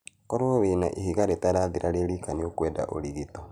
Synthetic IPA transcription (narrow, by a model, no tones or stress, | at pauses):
kɔɾooweːnaʔihiɣaɾetaɾaðiɾʔaɾeɾikaniokwɛda̰ʔo̰ɾiɣitɔ